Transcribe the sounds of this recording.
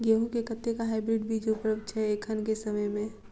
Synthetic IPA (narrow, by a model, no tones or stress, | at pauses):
ɡeɦũkekət̪ʰːekaɦaɪbɾɪɖbʱid͡ʒopəɾəpt͡ʃʰɛeːkʰənkesəməjmẽ